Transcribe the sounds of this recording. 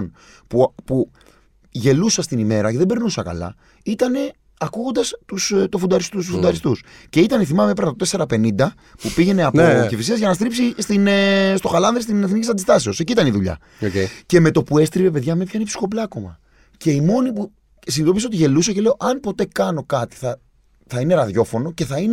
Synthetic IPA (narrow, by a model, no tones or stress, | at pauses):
n | pupu | ʝe̞lusɐst̪inime̞ɾɐceðebe̞ɾnusɐkɐ̰lɐ̰ | it̪ɐne̞ | ɐkuɣo̞nd̪ɐst̪ust̪ofund̪ɐɾist̪usufund̪ɐɾist̪usce̞it̪ɐneθimɐmepeɾnɐt̪ot̪ese̞ɾɐpe̞nind̪ɐ | pupiʝe̞ne̞ɐpocifisiɐzʝɐnɐst̪ɾipsist̪inest̪o̞xɐlɐnðɾist̪ineθnicisɐnd̪ist̪ɐseo̞seciit̪ɐniðuʎɐ̰ | oceceme̞t̪o̞pue̞st̪ɾive̞pe̞ðʝɐmepçɐinepsi̥xo̞plɐːko̞mɐ̰ | ce̞imo̞nipu | sinit̪o̞piso̞t̪iʝe̞lusɐce̞le̞o̞ʔɐnpo̞t̪e̞kɐno̞kɐt̪i̥θɐ | θɐineɾɐðʝo̞fo̞no̞ce̞θɐine